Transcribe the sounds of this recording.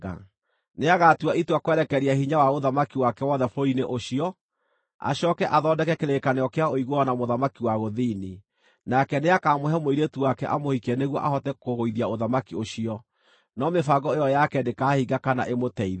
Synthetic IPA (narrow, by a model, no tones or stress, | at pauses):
a̰ | neaɣatuaitwakwɛɾɛkɛɾiahiɲawaoðamakiwakɛwɔðɛfoineʔoɕiɔ | a̰ɕɔkɛʔaðɔːdɛkɛkeɾekaneɔkeaoiɣoɔnamoðamakiwaɣoðini | nakɛneakaːmohɛmoiɾetuwakɛʔamohikɛneɣwɔ̰ʔahɔtɛkoɣoiðiaoðamakioɕiɔ | nɔmefaɡɔejɔjakɛdekaːhiɡakana̰ʔemotɛið